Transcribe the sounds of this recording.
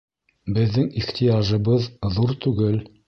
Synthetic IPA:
bɘ̆ðːɘŋiχt̪ʰijaʒɤ̆βɤðːuɾt̪ʉɡɘl

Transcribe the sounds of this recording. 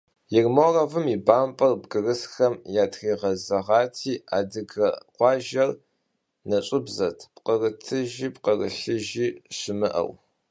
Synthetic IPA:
jɪrmoːrɐvɨmiːbaːmpʼɐrbɡɨrɨsxɐmjaːtʰxiːʁɐzɐʁɑːtʰiːa̰ːdɨɡɐqʷɑːʒɐr | nɐɕʷʼɪbzɐtʰpqərɨtʰɨʒiːpqərə̰ɬɨʒiːɕɪmɨʔɐ̰w

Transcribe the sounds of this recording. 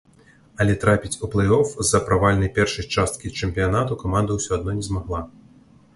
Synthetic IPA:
ɐlʲɛt̪ɾapʲit͡sʲuplˠɐjɔfzɐpɾavalʲnɐjpʲɛrʂɐjt͡ʂast̪̚kʲit͡ʂɛmʲpʲijanat̪ukamand̪ɐwsʲɔad̪̚nɔnʲɛzmaɣlˠa

